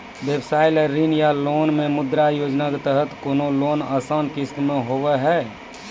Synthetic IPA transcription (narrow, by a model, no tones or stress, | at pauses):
bjebsaːjleɾinjaloːnmemʊd̪ɾajoːd͡ʒnaket̪əɦət̪konoloːnaːsaːnkɪskmẽɦoʋɛɦɛː